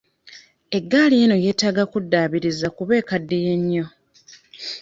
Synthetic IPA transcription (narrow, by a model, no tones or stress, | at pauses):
e̞ɡːaːlieno̞je̞ːtaɡakudːaːβiɾizakuβe̞ːkadːije̞ɲːo̞